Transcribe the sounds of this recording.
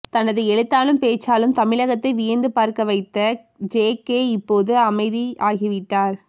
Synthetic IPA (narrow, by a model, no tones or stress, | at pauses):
t̪ɐnːɐðɯɛɻɯt̪ːaːlɯmpeːt͡ʃːaːlɯmt̪ɐmɪɻɐɣɐt̪ːɐɪʋɪjɐnd̪ɯpaːɾkɐʋɐɪt̪ːɐ | d͡ʒeːkeːɪpːoːðɯɐmɐɪðiaːɣiʋɪʈːaːɾ